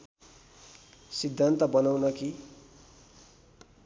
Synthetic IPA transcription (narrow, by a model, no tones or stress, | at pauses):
sid̪ʱːant̪ʌbʌnawnʌki